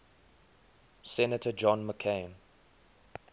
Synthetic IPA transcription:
sɛnətʰəd͡ʒɔ̃nməkʰẽɪ̃n

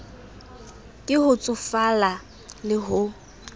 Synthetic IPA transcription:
kʼɪɦʊt͡sʼʊfala | lɪɦʊ

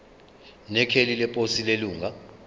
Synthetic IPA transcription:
nɛkʰelilɛpʼosileluːŋa

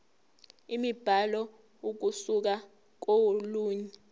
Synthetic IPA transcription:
imib̥ʱalɔ | uk̬usuk̬a | k̬owoluːɲɛ

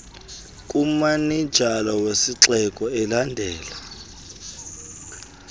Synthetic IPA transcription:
kʼumanid̥ʒ̥ʱalɔwesiǁɛkʼɔɛlandʱɛːla

